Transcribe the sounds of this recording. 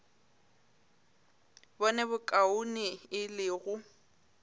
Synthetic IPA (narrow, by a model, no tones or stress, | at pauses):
bɔnɛbʊkʼaʊnɪɪlɪːɣʊ